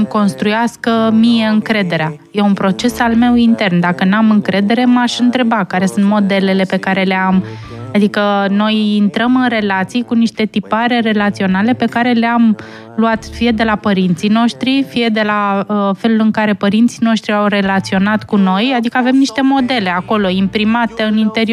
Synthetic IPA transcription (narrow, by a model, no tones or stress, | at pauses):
mko̞nst̪ɾujaskəmije̞ɨŋkɾe̞d̪e̞ɾeaje̞unpɾo̞t͡ʃe̞salme̞wint̪e̞rnd̪akənamɨŋkɾe̞d̪e̞ɾe̞maʃɨnt̪ɾe̞bakaɾe̞sunt̪mo̞d̪e̞le̞le̞pe̞kaɾe̞le̞am | ad̪ikəno̞jint̪ɾəmɨnre̞lat̪sijkuniʃt̪e̞t̪ipaɾe̞ɾe̞lat̪sio̞nale̞pe̞kaɾe̞leam | luat̪fije̞d̪e̞lapəɾint̪sijno̞ʃt̪ɾifije̞d̪e̞laəfe̞lulɨŋkaɾe̞pəɾint̪sino̞ʃt̪ɾiawre̞lat̪sio̞nat̪kuno̞jad̪ikəave̞mniʃt̪e̞mo̞d̪e̞le̞ako̞lo̞impɾimat̪eɨnint̪e̞ɾi